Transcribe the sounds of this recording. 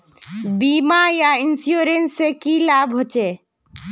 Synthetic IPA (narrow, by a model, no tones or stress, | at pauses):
biːmajaɪnsjoːɾensːekilaːbɦot͡ʃeː